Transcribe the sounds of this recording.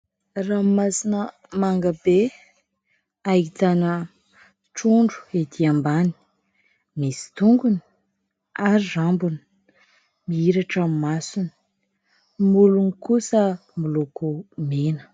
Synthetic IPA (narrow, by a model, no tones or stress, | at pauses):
rammasinə | maŋɡəbe | ajit̪anə | ʈ͡ʂuɳɖ͡ʐu̥ed̪iambani̥ | misi̥t̪uŋɡuni̥ | aɾirambuni̥ | miiɾaʈ͡ʂammasuni̥ | mulunikusəmilokumenə̥